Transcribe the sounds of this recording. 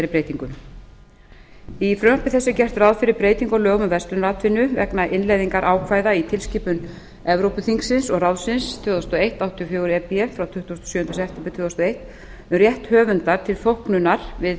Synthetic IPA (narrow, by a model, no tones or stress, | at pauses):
ɾɪɾpɾeːjt̪iŋkʏm | ifɾʏmpɪθɛsːɪcɛr̥t̪rawðfɪɾɪɾpɾeːjt̪iŋkɔlœːɣmʏvɛst̪ʏnɾaːt̪vɪnːʏvɛknaʔɪnlejðiŋkaɾʔaːwkʰvaːjðait̪ʰɪlscɪːpʏn | ɛvɾowpʏθiŋksɪnsɔɣrawðsɪnst̪ʰvœːðɔst̪ɔejht̪awt̪ʰiɔfjɔːwɾɛpiɛfɾawt̪ʰʏht̪ːust̪ɔsjʏːhnt̪ɾasɛft̪ɪmpɪt̪ʰœːθast̪ɔejt̪ | ʏmrjɛht̪hœːvʏnt̪aɾ̥t̪ʰɪlθowhknʏnaɾ̥vɪð